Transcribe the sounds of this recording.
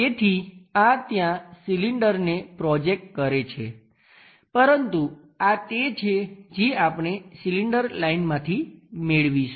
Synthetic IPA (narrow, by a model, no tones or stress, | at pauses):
et̪ʰiat̪jãsiliɳɖəɾnepɾɔd͡ʒek̚ʈ̚kəɾet͡ʃʰḛ | pəɾənt̪u | at̪et͡ʃʰed͡ʒeapɳ̃esiliɳɖəɾlainmãt̪ʰimeɭʋiʃ